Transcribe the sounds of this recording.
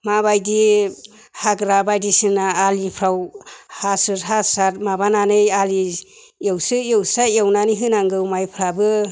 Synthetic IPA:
mabajdi | haɡɾabajdisɯnaːlipʰɾawhasɯɾɦasaɾmabananɯjali | jewsɯjewsajewnanɯjɦɯnaŋɡɯwmajpʰɾabɯ

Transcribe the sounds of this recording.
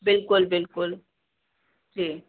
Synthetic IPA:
bɪlkʊlbɪlkʊl | d͡ʒi

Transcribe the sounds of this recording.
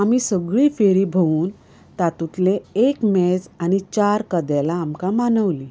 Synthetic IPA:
amisəɡɭifeɾiːbʱəʋuːn | t̪at̪ut̪leekmed͡zañit͡ɕaɾkəd̪ɛlaːmkamanəʋli

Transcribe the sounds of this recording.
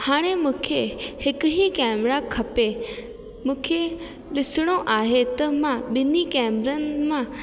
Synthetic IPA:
haːɽ̃emũːkʰehɪkʊɦikɛːmɾakʰɐpe | mũːkʰe | lɪsɪɽ̃oʔaːɦet̪ɐmãɓɪnikɛːmɾənmã

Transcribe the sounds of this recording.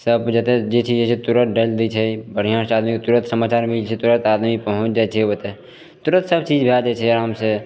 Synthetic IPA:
səbd͡ʒɛt̪ed͡ʒet͡ʃʰid͡ʒet͡ʃʰet̪uɾə̃t̪̚ɖeld̪it͡ʃʰɛbəɽ̤ijãːsaːd̪mikot̪uɾə̃t̪səmaːt͡ʃaːɾmɪlt͡ʃʰet̪uɾə̃t̪aːd̪mipəɦʊ̃t͡ʃd͡ʒaːt͡ʃʰeot̪e | t̪uɾə̃t̪səb̚t͡ʃiːd͡ʒbʱead͡ʒɛt͡ʃʰɛɾaːmse

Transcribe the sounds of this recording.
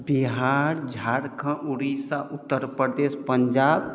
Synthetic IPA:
biɦaɾd͡ʒʱaɾkʰə̃ʔuɽisaʔut̪ːəɾpəɾd̪espəɲd͡ʒab

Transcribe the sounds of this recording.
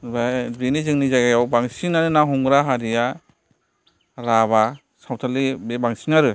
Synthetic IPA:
babinizɯŋnizaɡajawbaŋsinaɾɯnaɦɔŋɾaɦaɾija | ɾaβa | sawtʰalibebaŋsinaɾɯ

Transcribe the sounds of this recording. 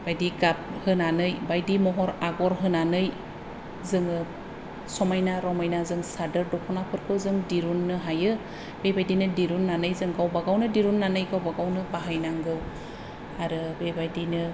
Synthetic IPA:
b̥ajdiɡap̚hɯnanɯjbajdimɔɦɔɾaɡɔɾɦɯnanɯj | zɯŋɯ | sɔmajnaɾɔmajnazɯŋsadɯɾdɔkʰɔnapʰɯɾkʰɯwzɯŋdiɾunːɯɦajɯ | b̥ejbajdinɯdiɾunːanɯjzɯŋɡawbaɡawnɯdiɾunːanɯjɡawbaɡawnɯbaɦajnaŋɡɯw | aɾɯbejbajdinɯ

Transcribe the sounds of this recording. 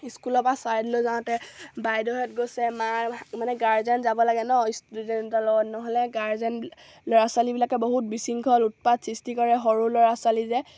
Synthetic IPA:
iskulɔpasaɹdlozaw̃tɛbajdɔɦɛtɡosɛmamanɛɡaɹzɛnzabɔlaɡɛnɔistududɛntalɔnɔɦɔlɛɡaɹzɛn | lɔɹaswalibilakɛboɦut̚bisiŋkʰɔlut̚padsistikɔɹɛɦɔɹulɔɹaswalizɛ

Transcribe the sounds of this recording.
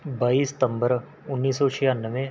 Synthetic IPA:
baːisɪ̥t̪ə̃mbəɾ | ʊnːiːsːɔːt͡ʃʰɪjaːnːəʋẽ

